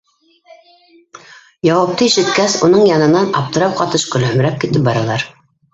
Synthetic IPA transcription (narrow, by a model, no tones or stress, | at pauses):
jɑwɑp̚t̪ɤiʃɘ̆t̪̚kæsunɤɴjɑnɤ̆nɑnɑp̚t̪ɤ̆ɾɑw̚qɑt̪ɤʃkɵ̆lɵ̆m̆ɾæp̚kit̪ɘp̚bɑɾɑlˠɑɾ